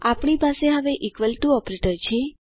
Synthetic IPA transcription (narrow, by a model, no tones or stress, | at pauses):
apɳ̃ipaseɦəʋeʔikʋəlʈuɔpɾeʈəɾt͡ʃʰe